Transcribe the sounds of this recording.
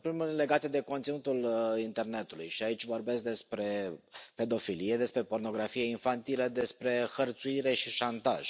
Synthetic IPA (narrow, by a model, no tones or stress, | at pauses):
pɾemulʲle̞ɡat̪ed̪e̞ko̞nt̪sinut̪ulint̪e̞rne̞t̪ulṵjʃiait͡ʃʲvo̞rbe̞sk̚d̪e̞spɾe̞pe̞d̪o̞filije̞d̪e̞spɾe̞po̞rno̞ɡɾafijeinfant̪iləd̪e̞spɾe̞xərt̪suiɾe̞ʃiʃant̪a̰ʒ̥